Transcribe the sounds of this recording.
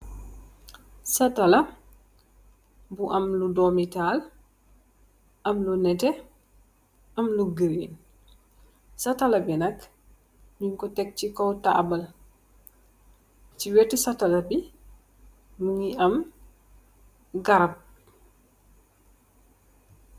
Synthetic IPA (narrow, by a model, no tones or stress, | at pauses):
sɐtɐlɐ | buʔɐmludɔmital | ʔɐmlunɛtɛ | ʔɐmluɡəɾḭn | sɐtɐlɐbinɐk | muŋkɔtɛk̚cikɔwta̰bɐl | t͡ʃiwɛtisɐtɐlɐbi | muŋiɐm | ɡɐɾɐp̚